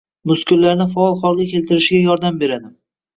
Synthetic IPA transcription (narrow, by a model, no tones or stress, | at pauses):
mʊskʲʰʊɾlaɾnɪfaɒlˠχɒlˠɡʲakʲʰe̞lt̪ʰɪɾɪʃɪɡʲajɒɾd̪ambe̞ɾad̪ɪ